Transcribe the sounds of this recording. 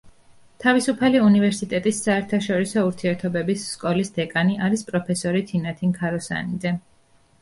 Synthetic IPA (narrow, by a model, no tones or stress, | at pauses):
t̪ʰavisupʰaliunivɛɾsit̪ʼɛt̪ʼisːaɛɾt̪ʰaʃɔɾisɔuɾt̪ʰiɛɾt̪ʰɔbɛbisːkʼɔlisd̪̥ɛkʼaniʔaɾispʼɾɔpʰɛsɔɾit̪ʰinat̪ʰiŋkʰaɾɔsa̰nid̪zɛ